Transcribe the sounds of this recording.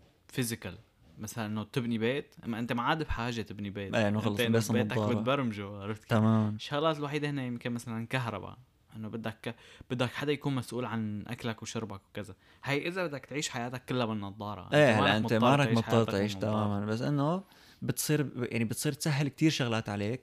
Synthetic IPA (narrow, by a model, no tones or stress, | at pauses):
fɪzɪkal | masalanʔɪnːot̪ɪbnibeːt̪ʔa̰mːaʔɪnt̪emaʕaːd̪ɪbħaːʒet̪ɪbnibeːt̪ʔeːʔɪnːoxɑlːɑeʔbeːsbeːt̪aɑːbɪɾbɑɾˤmʒoaɾˤɪft̪kt̪amaːmanʃːaɣlaːt̪ɪlwaħiːd̪ahɪnːejɪmkɪnmasalankaɦɾˤɑ̰ba̰ | ʔɪnːobɪd̪ːakb̥ɪd̪ːakħad̪ːajakuːnmasʔuːlʕanʔa̰klakwʃʊɾbakwkaza | hajʔɪzabɪd̪ːakt̪ʕiːʃħajaːt̪akːɪlːabɪnːɑd̪ˤːɑːɾˤɑ̰ʔʔeːhalːaʔɪnt̪emːˤaːɾˤɑkʕimɑʃħaˤːɑːɾˤt̪ʕiːʃt̪amaːmanbas̬ːʔɪnːo | bɪt̪sˤiːɾjʔaʕnibɪt̪sˤiːɾt̪saɦːɪlk̚t̪iːɾʃʊɣlaːt̪ʕaleːk̚